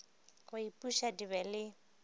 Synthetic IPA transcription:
kʊipʼuʃadiβɛlɪ

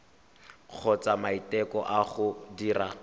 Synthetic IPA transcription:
k͡xʰɔt͡samaitɛkɔʔaχʊdiːra

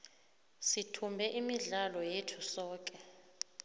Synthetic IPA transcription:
sitʰumbʱɛʔimiɮalɔjetʰusɔːk̬ʼɛ

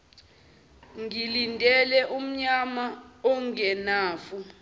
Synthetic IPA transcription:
ŋilindʱɛlɛʔum̩ɲamaɔŋɛnaːfu

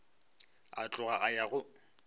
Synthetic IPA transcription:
a̰t͡ɬʼʊɣaʔajaɣʊ

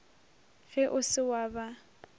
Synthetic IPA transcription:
fɪʔʊsɪwaːba

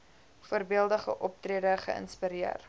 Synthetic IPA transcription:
fuərbiəlˠdəχəʔɔp̚triədəχə̰ə̰nspiɾiər

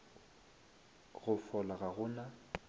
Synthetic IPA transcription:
ɣʊfɔlaɣaɣʊna

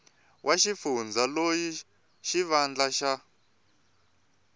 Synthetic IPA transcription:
wʔaʃifund͡zaloji | ʃiβand͡ɮaʃa

